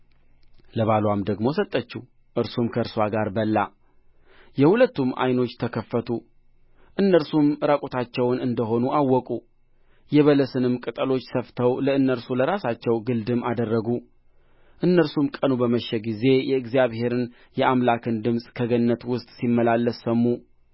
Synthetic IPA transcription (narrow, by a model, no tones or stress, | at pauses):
ləβalwamd̪əɡmo̞sət̪ʼːət͡ʃːu | ʔɨɾsumkʰəɨɾswaɡaɾbəlːa | jɛhulət̪ːumʔa̰jno̞t͡ʃːt̪ʰəkʰəfːət̪ʰu | ʔɨnːəɾsumɾakʼot̪ʰat͡ʃːɛwnɨnd̪əɦo̞nuʔawːɔkʼu | jɛβələsɨnɨmkʼɨt̪ʼəlo̞t͡ʃːsəft̪ʰəwləɨnːəɾsuləɾasat͡ʃːɛwɡɨld̪ɨmad̪ərːəɡu | ʔɨnːəɾsumkʼənubəməʃːɛɡize̞jɛɨɡzijaβhe̞ɾɨn | jɛʔamlakʰɨnd̪ɨmsʼkʰəɡənːət̪wʊst̪ʼsimːəlalːəsːəmːu